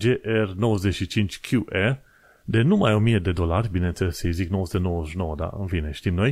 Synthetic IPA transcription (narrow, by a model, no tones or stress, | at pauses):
d͡ʒeʔɛɾnɔzd̪eʃit͡ʃint͡ʃkʰjuʔɛ | d̪enumajomied̪ed̪olaɾbinent͡sɛseziknɔzd̪enɔʒnɔd̪a̰ə̰nfineʃt̪imnɔj